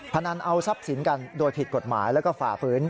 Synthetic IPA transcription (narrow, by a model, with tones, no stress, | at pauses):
pʰa˧na˧nʔa˧wsa˦˥p̚si˩˦nka˧ndoː˧jpʰi˨˩t̪̚ko˨˩t̪̚ma̰ː˩˦jlɛ˦˥kɔː˥˩faː˨˩fɯː˩˦n